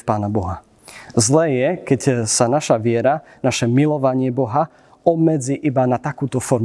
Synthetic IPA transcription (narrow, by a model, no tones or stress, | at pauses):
fpaːnabɔɦa | zlɛːjɛkɛcsanaʃaʋɪɛɾa | naʃɛmilɔʋaɲɪɛbɔɦa | ɔbmɛd͡ziːʔibanat̪akuːt̪ɔfɔɾ